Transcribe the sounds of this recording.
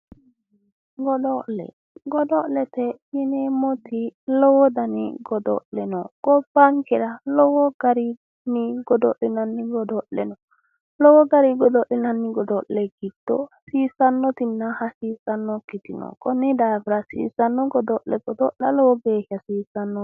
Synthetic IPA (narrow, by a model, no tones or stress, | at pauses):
ɡɔdɔʔlɛ̰ | ɡɔdɔʔlɛt̪ɛjinɛmɔt̪ilɔwɔd̪anḭɡɔdɔ̰lɛnɔɡ̥ɔbaŋkɛɾalɔwɔɡ̥aɾi | niɡɔdɔʔɛnanːiɡɔdɔlɛ̰nɔ | lɔwɔɡaɾiɡɔdɔʔɛnanːiɡɔdɔlɛɡidɔ̰siːsanːɔt̪inːahasisanːɔkːit̪inɔ̰kʼɔnidafɾasḭːsanːɔɡɔdɔʔɛ̰ɡɔdɔʔlalɔwɔɡɛːʃasiːsanːɔ